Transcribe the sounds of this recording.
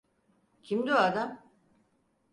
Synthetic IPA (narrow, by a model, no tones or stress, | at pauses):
cʰimd̪oad̪am